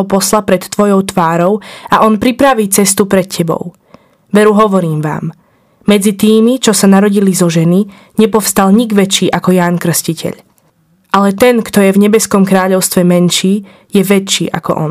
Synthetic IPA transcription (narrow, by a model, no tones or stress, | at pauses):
ɔpɔslapɾɛt̪ːʋɔjɔʊt̪ʋaːɾɔʊaʔɔnpɾipɾaʋiːt͡sɛst̪upɾɛt̪cʰɛbɔ̰ʊ | ʋɛɾuɦɔʋɔɾiːmʋa̰ːmː | ɛd͡zit̪iːmit͡ʃɔsanaɾɔɟilizɔʒɛni | ɲɛpɔfst̪alɲiɡʋɛt͡ʃiːʔakɔjaːnkr̩scicʰɛ̰ʎ | ʔalɛt̪ɛnkt̪ɔjɛvɲɛbɛskɔmkɾaːʎɔʊst̪ʋɛmɛnʃiː | jɛʋɛt͡ʃːiːʔa̰kɔ̰ʔɔ̰n